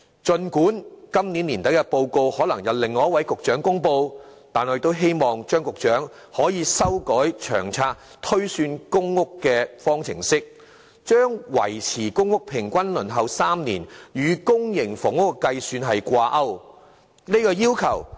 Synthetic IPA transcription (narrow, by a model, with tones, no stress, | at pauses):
t͡ʃɵ˧nkuː˨˥nkɐ˥mni˨˥niː˨˩nt̪ɐ˨˥jɐ˧po˧wko˧whɔː˨˥lɐ˨˩ŋjɐ˨˧wlɪ˨ŋːɔː˨˦jɐ˥wɐ˨˥jkʊ˨k̚t͡ʃœː˨˥ŋkʊ˥ŋpo˧wt̪aː˨nhɔ˨˧jt̪o˥wɦe˥jmɔː˨ŋt͡ʃœː˥ŋkʊ˨k̚t͡ʃœː˨˥ŋ | hɔː˨˥jiː˨˧sɐ˥wkɔː˨˥jt͡ʃʰœ̰ː˨˩ŋt͡sʰaː˧k̚ | t̪ʰɵ˥ɥsyː˧nkʊ˥ŋːʊ˥kːɛː˧fɔː˥ŋt͡sʰɪ̰˨˩ŋsɪ˥k̚ | t͡ʃœː˥ŋwɐ̰˨˩jt͡sʰiː˨˩kʊ˥ŋːʊ˥k̚pʰɪ˨˩ŋkʷɐ˥nlɵ˨˩nɦɐ˨wsaː˥mniː˨˩njyː˨˧kʊ˥ŋjɪ˨˩ŋfʊ˨˩ŋʊ˥kkɐ˧jsyː˧nɦɐ˨jkʷaː˧ʔɐ˥w | ni˥kɔː˧jiː˥wkʰɐ˨˩w